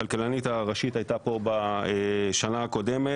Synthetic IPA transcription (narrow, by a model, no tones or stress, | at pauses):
alkelanit̪aʁaʃit̪ajtapo̞baeʃanaako̞de̞me